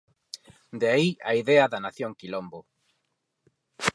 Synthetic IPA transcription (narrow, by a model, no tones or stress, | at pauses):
d̪eaiaiðɛɐðɐnaθjoŋkilombo